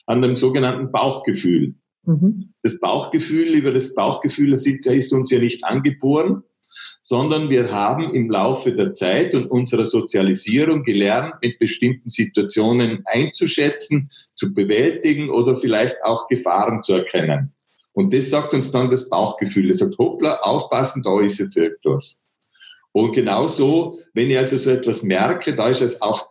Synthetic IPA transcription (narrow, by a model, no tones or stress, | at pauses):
ʔandemzoːɡənantn̩b̥aʊxɡ̥əfyːl | d̥asb̥a̰ʊxɡ̥əfyːlyːbɐdasb̥aʊxɡ̥əfyːldɛsitjaɪstʊnsjaːnɪçtʔa̰nɡəboːʁən | z̥ɔndɐnviːɐɦaːbm̩ɪmlaʊfədeːɐt͡saɪtʊntʔʊnzəʁɐz̥ot͡sjaliziːʁʊŋɡəlɛʁntmɪt̚b̥əʃtɪmtn̩zituat͡sjoːnənʔaɪnt͡suʃɛt͡sn̩t͡subəvɛltɪɡŋ̩ʔoːdɐfɪlaɪçta̰ʊxɡ̥əfa̰ːʁənt͡suɛɐkʰɛnə̰n | ʔʊnt̚d̥ɛsːɑːk̚tʊnsd̥ɑndasb̥a̰ʊxɡ̥əfyːldesɑːk̚thoplaʔa̰ʊfpasn̩dɑɪstɛt͡sɪɐɡŋ̩tvas | ʔʊnt̚ɡ̥ənaʊzoːvɛnɪçalzozoːɛtv̥asmɛɾkʰədɑɪsɛsaʊx